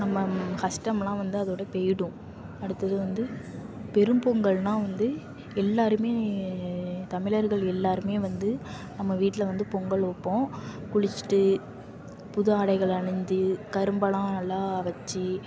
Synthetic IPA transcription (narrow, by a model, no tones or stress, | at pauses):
nɐmːɐkɐsʈɐmlãːʋɐnd̪ɯɐðoːɽɐpeːjɽũ | ɐɽɯt̪ːɐðɯʋɐnd̪ɯ | pɛɾɯmbɔŋɡɐɭnãːʋɐnd̪ɯ | ɛlːaːɾɯmeː | t̪ɐmɪlɐɾɣɐɭɛlːaːɾɯmeːʋɐnd̪ɯ | nɐmːɐʋiːʈːɪlɐʋɐnd̪ɯpɔŋɡɐɭɔpːõːkʊɻɪt͡ʃːʈːɯ | pʊðɯaːɽɐɪɣɐɭɐɳɪɲd̪ɯkɐɾɯmbɐɭãːɐlːãːʋɐt͡ʃːi